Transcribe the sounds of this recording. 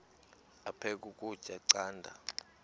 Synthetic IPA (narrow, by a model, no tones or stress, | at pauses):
apʰɛk̬ʼukʼud̥ʒ̥ʱʼaǀaːndʱa̰